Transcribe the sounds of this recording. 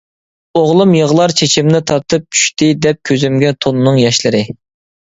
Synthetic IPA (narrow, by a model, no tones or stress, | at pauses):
oʁlˠumjəʁlˠɑɾt͡ʃʰet͡ʃʰimnɪt̪ʰɑɾt̪ʰɨp̚t͡ʃʰy̥ʃt̪ɪd̪ɛp̚kʲʰøzymɡʲɛt̪ʰonnɨŋjɑʃlɨɾɨ